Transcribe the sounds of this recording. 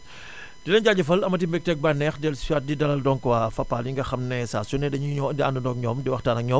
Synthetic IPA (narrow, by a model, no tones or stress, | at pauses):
d̥inɐɲɟaːɟɐfɐlɐmɐt̬imbɛk̚tɛk̚banɛxdɛlsuwat̚didɐlɐldɔŋkwafɐpːaːljiŋɡɐxɐmnɛsasunɛdɐɲiɲɔndiandundɔk̚ɲɔːmdiwɐxtaːnɐk̚ɲɔːm